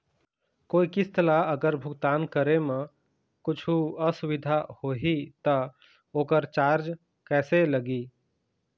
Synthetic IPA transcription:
koːikɪst̪əlaəɡəɾbʱʊɡt̪aːnkəɾemẽ | kʊt͡ʃʰuəsʊʋɪd̪ʱahoɦit̪ə | oːkəɾt͡ʃaːɾd͡ʒ | kɛːseləɡiː

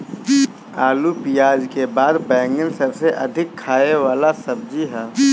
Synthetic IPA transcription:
aːlupijaːd͡ʒkebaːd̪bɛ̃ːŋɡənsəbseʔɐd̪ʱɪkʰːaːeʋaːlasɐb̚d͡ʒiɦɛː

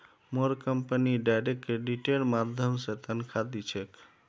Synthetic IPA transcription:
moɾkəmpəniɖajɾekkːɾeɖiʈelmad̪ʱjəmset̪ənkʰad̪it͡ʃʰek

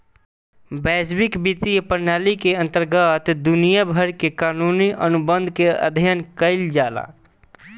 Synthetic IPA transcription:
bɛːd͡ʒbɪkbit̪ipəɾnaːlikeə̃nt̪əɾɡət̪d̪ʊnijabʱəɾkekaːnuniʔənʊbə̃nd̪ʱkeə̰d̪ʱjənkəɪld͡ʒaːla̰

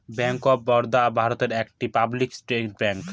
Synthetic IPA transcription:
bɛŋkobːɔɾd̪abʱaɾot̪eɾek̚ʈipabliksʈɾeʈ̚bɛŋk

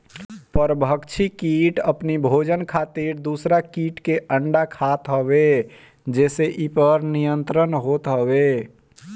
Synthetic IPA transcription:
pəɾbʱəkt͡ʃʰikiʈəpnibʱod͡ʒənkʰat̪iɾd̪usɾakiʈkeʔəɳɖakʰat̪ɦəbe | d͡ʒeːseʔipəɾnijənt̪ɾənɦot̪ɦəbe

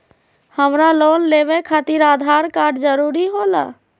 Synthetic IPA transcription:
həmɾaloːnleːʋekʰat̪ɪɾaːd̪ʱaɾkaːɾɖd͡ʒəɾuːɾiɦola̰ː

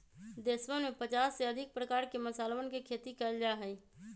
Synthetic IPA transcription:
d̪eːswəmẽpət͡ʃaːsːeəd̪ʱɪk̚pɾəkaːɾkeməsaːlʋənkekʰeːt̪ikəld͡ʒaːɦɛi

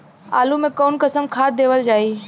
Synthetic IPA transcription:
a̰ːlumẽkoːnkəsəmkʰaːd̪eːʋəld͡ʒaːiː

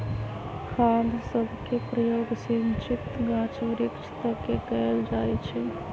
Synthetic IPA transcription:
kʰãːnd̪ʱsəbʱkepɾəjoːɡsint͡ʃʰit̪ɡãːt͡ʃʋəɾɪkt͡ʃʰt̪akekɛld͡ʒaːɛt͡ʃʰɛ

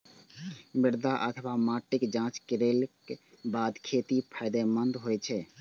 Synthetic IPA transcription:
mɪɾd̪aʔət̪ʰəbamaʈɪkd͡ʒãt͡ʃkiɾelke | bad̪kʰet̪ipʰajd̪ɛmənd̪ɦojt͡ʃʰɛ

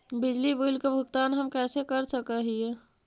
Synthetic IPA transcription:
bid͡ʒliboilkebʱəɡt̪anɦəmkɛsekəɾsəkəɦije

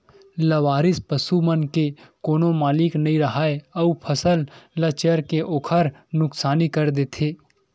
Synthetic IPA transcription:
ləʋaːɾɪspəsumənkekoːnomaːlɪknɐɦĩɾəɦaːeɐupʰəsəllət͡ʃəɾkeʔoːkʰəɾnʊksaːnikəɾd̪eːt̪ʰeː

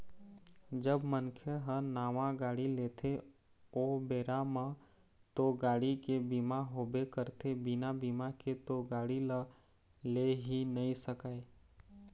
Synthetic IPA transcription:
d͡ʒəbmənkʰəɦənaːʋãɡaːɽileːt̪ʰe | obeːɾamã | t̪oɡaːɽikebimaɦoːbekəɾt̪ʰebɪnabimaket̪oɡaːɽila | leɦinəĩsəkaːe

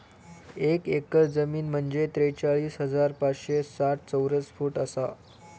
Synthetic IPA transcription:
ekekəɾd͡zəmiːnm̤əɳd͡ʑet̪ɾejt͡saɭiːsɦəd͡zaɾpat͡sɕesaʈ̚t͡səwɾət͡sfuːʈəsa

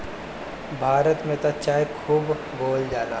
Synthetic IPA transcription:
bʱaːɾət̪mẽt̪ɐt͡ʃaːekʰuːb | boːld͡ʒaːla̰ː

